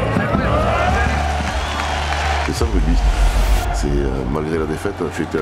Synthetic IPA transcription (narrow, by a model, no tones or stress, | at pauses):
sɛsãvebis | sɛø̰malɡʁelad̪efɛt̪ʒyet̪e